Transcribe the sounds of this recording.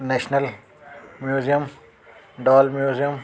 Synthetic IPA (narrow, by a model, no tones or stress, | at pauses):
neːʃnɐl | mjuːzijɐm | ɖaːlmjuːzijɐm